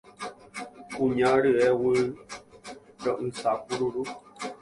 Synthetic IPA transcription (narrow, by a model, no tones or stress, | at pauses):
kũɲãɾɨewɨ | ɾõʔɨ̃sak̚uɾuɾu